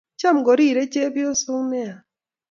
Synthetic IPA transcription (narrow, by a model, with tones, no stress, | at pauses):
t͡ʃa˦˨mɡɔ˨ɾi˦˨ɾe˦t͡ʃe˦bi˦o˦so˦ŋnɛ˦a˨